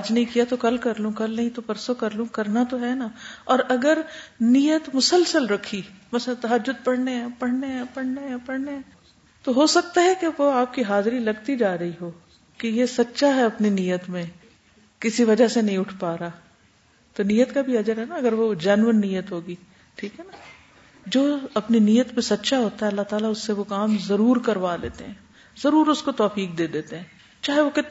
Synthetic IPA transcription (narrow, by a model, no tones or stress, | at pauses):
ɐd͡ʒnɐɦĩkijat̪okɐlkɐɾlũkɐlnɐɦĩt̪opɐɾsokɐɾlũːkɐɾnat̪oɦɛːnaɔːɾɐɡəɾnijət̪mʊsəlsəlɾɐkʰːimɐslãt̪ɐɦəd͡ʒːʊd̪̚pɐɽneɦɛ̃pɐɽ̤neɦɛpɐɽ̤neɦɛ̃pɐɽ̤neɦɛ̃ | t̪oɦosɐk̚t̪aɦɛkeʋoaːp̚kiɦaːzɾilɐɡt̪id͡ʒaːɾɐɦiɦoː | kejesɐtːʃaɦɛɐpninijət̪mẽ | kɪsiʋɐd͡ʒasenɐɦĩʊʈʰpaːɾaː | t̪onijət̪kabʱiɐd͡ʒəɾɦɛnaɐɡəɾʋod͡ʒɐnʋənːijət̪ɦoːɡiː | ʈʰiːkɦɛna | d͡ʒoːɐpninijət̪mẽsɐtːʃaɦoːt̪aɦɛɐlːaɦt̪aːlaʊsːeʋokaːmzɐɾuːɾkɐɾʋalḛːt̪ḛɦɛ̃ː | z̥ɐɾuːɾʊskot̪ɔːfiːk̚d̪eːd̪eːt̪eɦɛ̃ː | t͡ʃaːɦeʋokɪt̪